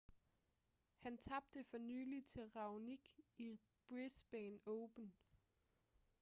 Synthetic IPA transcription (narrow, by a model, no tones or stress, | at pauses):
hænt͡sʰɑ̈b̥̚d̥əfɒ̽nyːlit͡sʰe̝lʁɑ̈ʊniɡ̥i | b̥ʁisb̥ɛːnɔʊb̥ən